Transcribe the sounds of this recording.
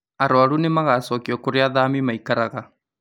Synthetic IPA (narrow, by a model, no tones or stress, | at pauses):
aɾwaɾunemaɣasɔkiɔkoɾeaðaːmimaikaɾaɣa